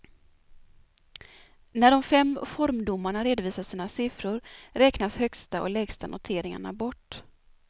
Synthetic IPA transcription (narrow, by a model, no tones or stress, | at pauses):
næɖɔmfɛmːfɔɾmd̪ʊmːaɳaɾeːd̪ʊviːsaʂiːnasɪfɾʊɾɾɛːknashœkst̪aʔɔ̰lɛːɡst̪anʔʊ̰t̪ʰeːɾɪŋa̰ɳa̰bɔʈː